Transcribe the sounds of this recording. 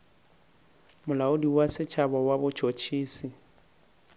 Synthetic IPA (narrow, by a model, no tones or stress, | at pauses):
mʊlaʊdiwasɪt͡ʃʰabɔwabʊt͡ʃʰot͡ʃʰiːsi